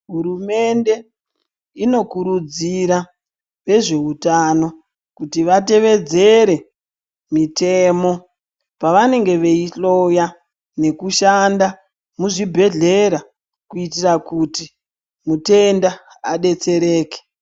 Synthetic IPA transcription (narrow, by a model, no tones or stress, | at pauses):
ɦuɾume̞nde̞ | ino̞kuɾud͡ziɾa | ʋe̞ʐe̞utano̞ | kutiʋate̞ʋe̞d͡ze̞ɾe̞ | mitemo̞ | paʋane̞ŋɡe̞ʋeiɬo̞ja | ne̞kuʃanda | muʐibʱe̞ɮe̞ɾa | kuitirakuti | mute̞nda | aɗe̞t͡se̞ɾe̞ːke̥